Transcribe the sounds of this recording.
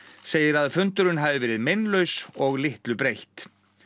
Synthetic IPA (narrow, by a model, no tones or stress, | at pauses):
seːjɪɾaðfʏnt̪ʏɾʏnɦavɪvɛːɾɪðmejnlœɥsɔɣlɪht̪lʏpɾejht̪